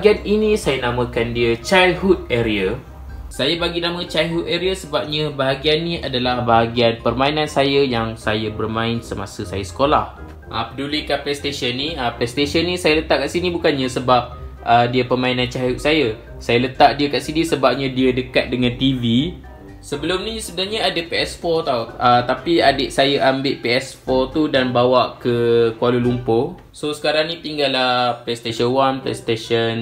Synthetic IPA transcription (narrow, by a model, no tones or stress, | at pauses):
ɡianinisajanamə̃kandiət͡ʃajhut̪̚eɾiə | sajabaɡinãmə̃t͡ʃajɦut̪̚eɾiasəbap̚ɲə̃baɦaɡianːĩʔadalahbaɦaɡianpərmãinãnsajəjaŋsajabərmãɪnsəma̰səsajasə̥kola̰h | ʔəpədulikaplest̪esənːiəplest̪esənːĩsajələt̪aʔ̚kaʔsinibukanɲasəbap̚ədiapəmãinant͡ʃauʔsaja | sajalət̪aʔ̚diakaʔsinisəbap̚ɲãdiadəkat̪̚dəŋãnt̪ivi | səbəlʊmnisəbənaɾɲaadapeɛsfɔrt̪awət̪apiadɪʔsajaʔambɪʔpeɛsfɔrt̪udanbawaʔkəkualulumpʊ | sosə̥kaɾaŋnĩt̪iŋɡalːaplest̪eʃənwanplḛst̪eʃən